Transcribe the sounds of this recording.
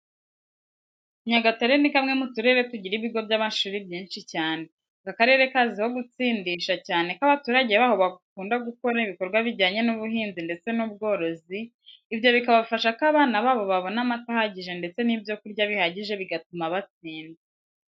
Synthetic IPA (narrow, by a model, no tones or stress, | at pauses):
ɲaɡataɾenikamŋe̞mutuɾe̞βetuɟiɾiβiɡo̞bjaːmaʃuːɾibjiːnʃicaːne̞ | ɡakaɾe̞ɾe̞kaːziho̞ɡut͡siːndiʃacaːne̞kaβatuːɾaɟeβaːho̞βakuːndaɡuko̞ɾaiβikoɾɡwaβiɾɟaːɲe̞nuβuɦiːnzinde̞t͡se̞nuːbɡo̞ːɾo̞zi | ibjo̞βikaβaβifaʃakaβaːnaβaːβo̞βaβo̞namatahaɟiʒe̞nde̞t͡se̞nibjo̞kuɾɟaβihaɟiʒe̞βiɡatumaβat͡siːnde